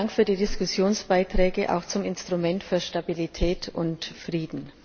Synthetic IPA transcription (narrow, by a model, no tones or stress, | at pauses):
ŋkfyːɐdiːdɪskʊsjoːnsb̥aɪtʁ̥ɛːɡəʔa̰ʊxt͡sʊmɪnstʁ̥ʊmɛntfyːɐʃtabilitʰɛːtʰʊntfʁ̥iːdn̩